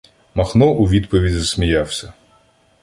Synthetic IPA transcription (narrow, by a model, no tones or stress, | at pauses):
mɐxnɔʔuʋʲid̪pɔʋʲidʲzɐsʲmʲijɑwsʲɐ